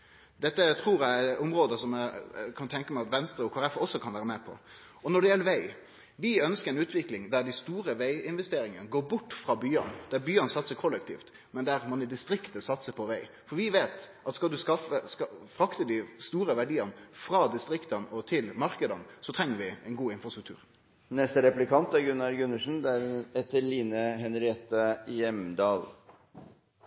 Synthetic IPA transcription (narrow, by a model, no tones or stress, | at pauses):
d̪ɛt̪ːət̪ʰɾuːɾjæʊmɾoːd̪əsɔmækʰɑnt̪ʰɛŋkəmæɪɑt̪ʋɛnst̪ɾəɔkʰɑɾɛfɔsːɔkʰɑnʋæːɾəmɛpʰɔ̰ | ɔnɔɖɛjɛləɾʋæɪ | ʋɪœnskəɾɛnʉːt̪ʰʋɪklɪŋd̪æɾɖ̪ɪst̪uːɾəʋæɪɪnʋɛst̪eːɾɪŋənɡoːɾbʊʈːfɾɑbyːə̰nd̪̥æɾbyːənsɑt̪səkʰɔlːəkt̪ʰḭːft̪ | mɛnd̪æɾmɑnɪd̪ɪst̪ɾɪkt̪əsɑt̪səpʰɔʋæɪ | fɔɾʋɪʋeːt̪ʔɑt̪skɑld̪ʉskɑfəskɑfɾɑkt̪əd̪ɪst̪uːɾəʋæɖiːənfɾɑd̪ɪst̪ɾɪkt̪ənɔt̪ʰɪlmɑɾkəd̪ənsɔt̪ʰɾɛŋːəɾʋɪɛɪnɡuːɪnfʁɑst̪ɾʉk̚t̪ʰʉ̰ːɾ | nɛst̪əɾɛplɪkʰɑnt̪æɾɡʉnɑɾɡʉnːəʂn̩d̪æɾɛt̪əɭiːnəɦɛnɾɛːt̪əjɛmd̪ɑːl